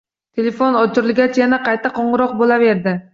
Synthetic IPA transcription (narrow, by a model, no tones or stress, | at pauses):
t̪ʰe̞lefonɒt͡ʃʰʊɾɪlˠɡʲat͡ʃʰjanaqʰɑjt̪ʰaqɒɴɨɾɒq̚bolˠave̞ɾd̪ɪ